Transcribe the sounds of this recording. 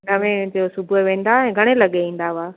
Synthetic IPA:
nɐʋẽd͡ʑosʊbʱueʋẽːn̆d̪aɛ̃ːɡʱɐɽ̃elɐɠeĩːn̆d̪aʋaː

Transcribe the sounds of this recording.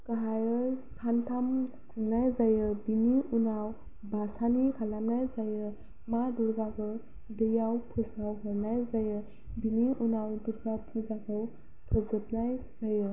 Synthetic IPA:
kaɦajɯsantʰam | kʰuɾnajzajɯbiniunaw | basanikʰalamnajzajɯ | maduɾɡabɯ | dɯjawpʰuzawɦɯɾnajzajɯ | biniʔunawduɾɡapʰuzakʰaw | pʰɯzɯp̚najz̥ajɯ

